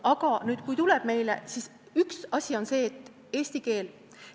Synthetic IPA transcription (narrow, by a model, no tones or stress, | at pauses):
ɑɡ̥ɑnyːd̪̥kujt̪uleb̥̚me̞jlḛsis | yksɑsʲio̞nse̞ːt̪ːˑ | e̞ːsʲt̪ike̞ːl